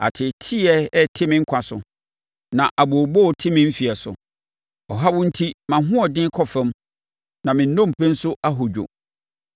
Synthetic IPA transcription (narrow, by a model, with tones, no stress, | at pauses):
a̰˨tʰɪ˨tʰi˦ɛ˦ɛ˦tʰɪ˦mɪ̃˦ŋ̩˦kʷʰa˨sʊ˨ | nã˨ʔa˨bo˨bo˦ɔ˨tʰɪ˦mɪ̃˦m̩˦fi˨ɛ˨sʊ̰˨ | ɔ˨ɦa˦wʊ̃˦n̩˦tʰi˦mã˨ɦʊ̃˦ɔ˨dɪ̃˦kʰɔ˦fɛ̃˦m | nã˨mɪ̃˨n̩˦nɔ̃˦m̩˨pʰɛ̃˦n̩˦sʊ˦ʔa˦ɦo˨d͡ʑᶣo̰˨